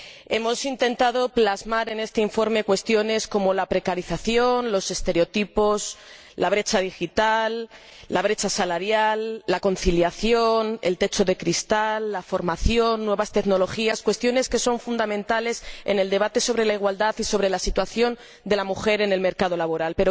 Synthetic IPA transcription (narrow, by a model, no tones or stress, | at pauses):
e̞mo̞sint̪e̞nt̪aðo̞plazmaɾe̞ne̞st̪eiɱfo̞ɾme̞kwe̞st̪jone̞sko̞mo̞lapɾe̞kaɾiθaθjo̞nlo̞se̞st̪e̞ɾeo̞t̪ipo̞s | laβ̞ɾe̞t͡ʃaðixit̪alː | aβ̞ɾe̞t͡ʃasalaɾjalːako̞nθiljaθjo̞ne̞̰lt̪e̞t͡ʃo̞ðe̞kɾist̪alːafo̞ɾmaθjo̞nːwe̞βast̪e̞kno̞lo̞xiaskwest̪jo̞ne̞ske̞so̞ɱfund̪amẽ̞nt̪ale̞se̞̰ne̞ld̪e̞β̞at̪e̞so̞βɾe̞laiɣ̞wald̪aθiso̞β̞ɾe̞lasit̪waθjo̞n | d̪e̞lamuxe̞ɾe̞ne̞lme̞ɾkað̞o̞laβo̞ɾalpe̞ɾo